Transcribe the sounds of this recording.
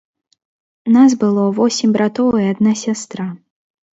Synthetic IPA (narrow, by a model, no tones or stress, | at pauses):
nazbɨlˠɔvɔsʲimʲbɾat̪ɔvjɛɐd̪̚nasʲast̪ɾa